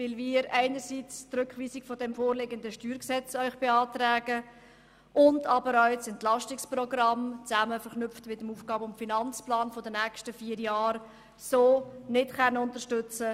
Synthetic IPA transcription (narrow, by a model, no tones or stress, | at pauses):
vɪlviːəɾæɪnəɾsit͡strʏkχʋiːsɪkfɔdɛmfoːɾlɪɡəndəʃtyːɾksɛt͡sœʏχb̥eɑːtræːɡə | ʔʊndɑbəɾœʏsɛntlɑʃtɪksprɔɡrɑmt͡sæməfəɾχnʏftmɪtəmuːfɡ̥ɑːbəʊmfinɑnt͡splɑːnfɔdənɛːkʃtəfiːəɾjɑːɾ | soːnɪtχɛnːəʊntəʃtʏt͡sə